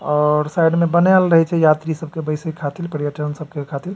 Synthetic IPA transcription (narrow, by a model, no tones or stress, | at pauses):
ɔɾsajɖmebənalɾəɦɛt͡ʃʰɛjat̪ɾisəb̚ʱkebəɪsəkʰat̪ilpəɾjəʈənsəb̚ʱkekʰat̪il